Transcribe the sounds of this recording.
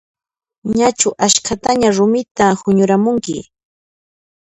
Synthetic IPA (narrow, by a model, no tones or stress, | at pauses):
ɲat͡ʃʊʔaʃkʰat̪aɲaɾʊmɪt̪ahʊɲʊɾamʊŋkɪɪ